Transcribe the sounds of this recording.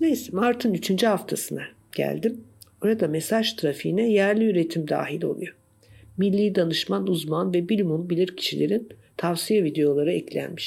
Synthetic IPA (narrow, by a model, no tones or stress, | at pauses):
nejsimaɾt̪ʰɯnyt͡ʃʰynd͡ʒyɦaft̪ʰasɯna | ɟ̥æ̰lʲd̪imboɾad̪amesaʒt̪ʰɾafiːnɛjæɾlʲiyɾet̪ʰimd̪a̰ːɦilʲo̞̰lˠṵjo | milʲːiːd̪anɯʃmanuzmanvɛbilʲmunbilʲiɾcʰi̥ʃilʲeɾint̪ʰavsijavid̪e̞jo̞lˠaɾɯɛclʲæ̰nmiʃ